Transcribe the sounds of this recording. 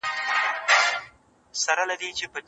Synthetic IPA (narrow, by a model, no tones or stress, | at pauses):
saɾalad̪it͡ʃepəd̪